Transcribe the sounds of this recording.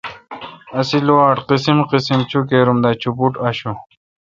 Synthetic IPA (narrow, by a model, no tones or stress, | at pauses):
ɐsiluaːʈqisimqisimt͡ɕʰuk̬eɾumd̪at͡ɕʰupuʈɐɕu